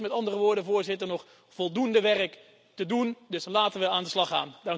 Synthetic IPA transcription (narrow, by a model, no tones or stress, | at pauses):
mɛtɑndərəʋʊːɹdəvʊːɹzɪtəɹnɔχ | fɔlˠdundəʋɛrək | tədundɵslaːtənʋəaːndəslɑχa̰ːndɑŋ